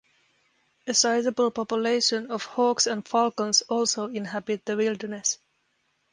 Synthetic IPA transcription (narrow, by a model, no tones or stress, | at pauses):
əsaɪzəbəl̩ˠpɔpjəleɪʃə̃nɔv̥hɔksə̃nfɑlkə̃nsɔlˠsoʊɪ̃nɦæbɪt̪̚ðəwɪlˠdə˞nɛs